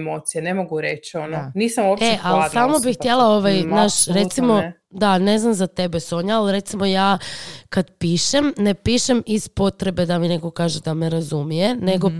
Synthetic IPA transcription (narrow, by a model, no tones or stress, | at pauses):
moːt̪sijenemoɡuɾet͡ʃononiːsamopeʔalamobixt̪je̞lao̞ʋajnaːʃɾet̪simo̞ | d̪ane̞znamzat̪e̞be̞soɲaalɾe̞t̪simo̞jaːkad̪piːʃe̞mnepiːʃemispo̞t̪ɾe̞be̞d̪amineko̞kaːʒed̪ameɾazumije̞ne̞ɡo̞